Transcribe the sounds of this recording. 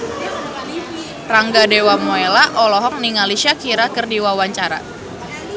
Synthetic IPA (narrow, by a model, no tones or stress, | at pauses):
raŋɡadewamoelaʔɔlɔɦɔk̚niŋaliʃakiɾakɨrdiwawaɲt͡ʃaɾa̰